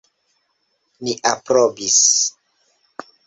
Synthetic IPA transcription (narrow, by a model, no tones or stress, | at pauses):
niʔapɾobis